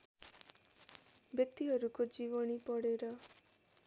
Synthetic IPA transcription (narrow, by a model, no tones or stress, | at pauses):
bjɔk̚t̪iɦɔɾukod͡ʒibɔnipɔɽeɾɔ